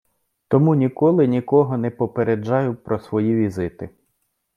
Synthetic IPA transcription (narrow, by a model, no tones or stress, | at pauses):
t̪ɔmunʲikɔlˠɪnʲikɔɦɔnɛpɔpeɾed͡ʒːɑjʊpɾɔsʋɔjiʋʲizɪt̪ɪ